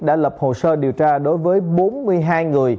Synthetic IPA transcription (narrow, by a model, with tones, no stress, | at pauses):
ɗa̰ː˧˥lə˨˩p̚ho˨˩səː˧ɗi˨˩əwt͡ɕaː˧ɗo˨˦jvəː˨˦jɓo˨˦nmɨ˧əjɦaː˧jŋɨ˨˩əj